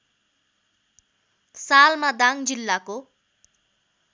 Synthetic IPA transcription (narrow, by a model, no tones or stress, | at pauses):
salmad̪aŋd͡zilːako